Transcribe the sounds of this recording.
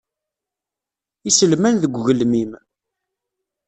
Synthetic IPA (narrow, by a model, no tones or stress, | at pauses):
isəlmænðəɡʷɣəlmim